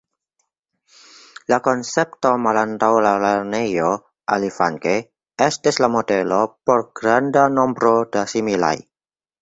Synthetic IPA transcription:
lakonsep̚tomalantawlaleɾnejo | ʔalifa̰ŋke | estislamodelopoɾɡ̥ɾandanombɾodasimila̰j

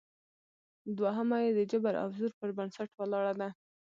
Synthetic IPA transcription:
d̪waɦəmajed̪əd͡ʒabaɾʔa̰fzuɾpəɾbansaʈwalɑɽad̪a

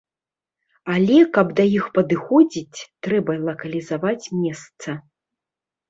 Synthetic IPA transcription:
alʲɛkɐbd̪ɐjixpɐd̪ɨxɔd͡zʲit͡sʲt̪ɾɛbɐlˠɐkɐlʲizavat͡sʲmʲɛst̪sɐ

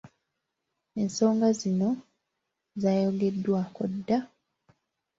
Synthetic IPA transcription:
e̞nso̞ːŋɡazino̞ | zaːjoɡe̞dːwako̰dːa

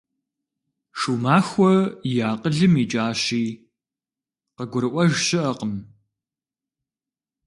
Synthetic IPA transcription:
ʂuːmaːxʷɔjaːqəɮɨmiːt͡ʃʼaːɕiː | qəɡʷʊɾɨʔʷɐʒɕɪʔɐqəm

